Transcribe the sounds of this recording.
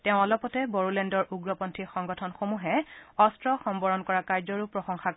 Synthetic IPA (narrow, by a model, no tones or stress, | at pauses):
tɛʊ̃ɔlɔpɔtɛbɔɹulɛndɔɹʔuɡɹɔpɔntʰixɔŋɡɔtʰɔnxomuɦɛɔstɹɔxɔmbɔɹɔnkɔɹakaɹzɔɹupɹɔxɔŋxa